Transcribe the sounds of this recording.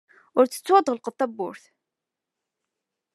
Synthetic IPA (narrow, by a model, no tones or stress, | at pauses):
ʊɾt͡sːə̥t͡sːwɑd̪ˤʁəlqəvt̪æbːʊ̰ɾθ